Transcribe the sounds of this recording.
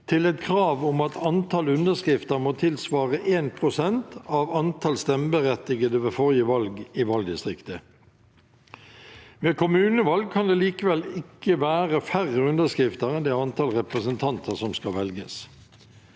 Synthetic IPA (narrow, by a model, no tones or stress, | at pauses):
t̪ʰɪlɛt̪kʰɾɑːʋʊmɑt̪ʰɑnt̪ʰɑlʉnd̪əskʁɪft̪əʁmoːt̪ʰɪlsʋɑːʁəʔeːnpʰʁʊsɛnt̪ɑʋɑnt̪ʰɑlst̪ɛmbəʁɛt̪ːɪɡəd̪əʋeːfɔʁjəʋɑlɡiʋɑld̪ɪst̪ʁɪkt̪ə | ʋeːkʊmʉːnəʋɑlɡ̚kʰɑnd̪eːliːkəʋɛlɪkːəʋæːʁəfæʁəʉnəskʁɪft̪əʁɛnd̪ɛɑnt̪ʰɑlʁɛpʁəsənt̪ʰɑnt̪ʰəsɔmskɑʋɛlɡə̰s